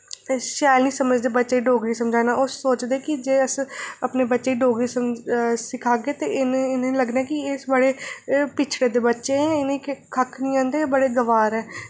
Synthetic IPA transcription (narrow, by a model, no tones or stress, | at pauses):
ʃaːlnĩːsəməd͡ʒd̪eːbətːʃeːiːɖoːɡɾiːsəmd͡ʒaːnaːʊsːoːt͡ʃd̪eːkɪd͡ʒeːəsəpneːbətːʃeːiːɖoːɡɾiːsəmsɪkʰaːɡeːt̪eʔɪnɪnːiləɡnaːɛkɪesbəɽeːpɪt͡ʃʰɽeːd̪eːbətːʃeːɛ̃ːɪnẽikʰəkʰnĩːãːnd̪eːbəɽeːɡəʋaːɾɛː